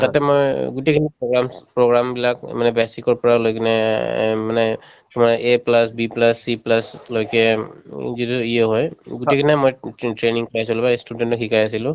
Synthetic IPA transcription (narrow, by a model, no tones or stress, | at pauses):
tatɛmo̰jɡutekʰinipɹoɡɹampɹoɡɹambilakmanɛbɛsikɔɹpɔɹalojkʰinɛmanɛ | tumaʔeplasbiplasːiplaslojkɛ | zituijɛɦɔjɡutekʰiniamojtɹeniŋkɔɹajsɔlbastudɛntɔkʰikajasilʊ̃